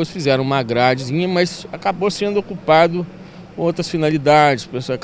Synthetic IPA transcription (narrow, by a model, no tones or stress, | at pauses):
osfizɛɾɐ̃w̃ũmaɡɾad͡ʒizĩɲɐmɐsakabosẽnd̪ʊokupad̪ʊ | owt̪ɾɐsfinalid̪ad͡ʒɪspesok